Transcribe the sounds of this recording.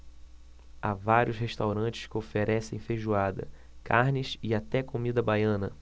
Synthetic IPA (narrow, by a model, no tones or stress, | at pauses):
avaɾjʊsheʃt̪awɾɐ̃t͡ʃɪ̥skɪofeɾʔɛsẽj̃feʒuad̪ɐ̰ | kaɾnɪsɪat̪ɛkomid̪ɐbajɐ̃nɐ